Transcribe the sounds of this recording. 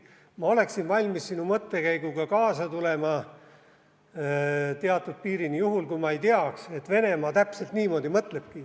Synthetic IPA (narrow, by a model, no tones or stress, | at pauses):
mɑo̞le̞ksinvɑlʲmisːinumɤt̪ːe̞kæjɡ̥uɡ̥ɑkɑːsɑt̪ule̞mɑ | t̪eɑt̪ːˑud̪̥̚piːɾinijuɦulkujmɑe̞jt̪eɑkse̞t̪ve̞ne̞mɑːt̪æpse̞lt̪niːmo̞ːd̪imɤt̪ˑle̞b̥̚ki